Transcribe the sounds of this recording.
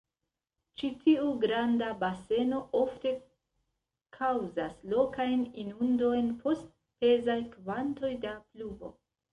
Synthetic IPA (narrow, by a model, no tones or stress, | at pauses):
t͡ʃitʰiuɡɾandabase̞no̞o̞fte̞ | kʰawzaslo̞kajninundo̞jnpʰo̞st̚ | pe̞zajkvanto̞jdaplubo̞̰